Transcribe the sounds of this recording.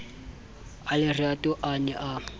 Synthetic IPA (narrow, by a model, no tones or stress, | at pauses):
alɪriatʼʊʔanɛʔa